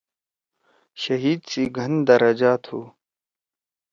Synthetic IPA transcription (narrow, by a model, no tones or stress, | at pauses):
ɕɐɦiːd̪siɡʱɐnd̪ɐɾɐd͡ʑaːt̪ʰhuː